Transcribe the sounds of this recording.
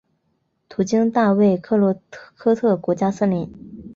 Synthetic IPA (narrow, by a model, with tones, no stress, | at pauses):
t̪ʰu˧˥t͡ɕi˥ŋt̪a˥˧we˥˩ɪkʰɤ˥˩lwɔ˧˥kʰɤ˥t̪ʰɤ˥˩kwɔ˧˥t͡ɕja˥sə˥˩li˧˥n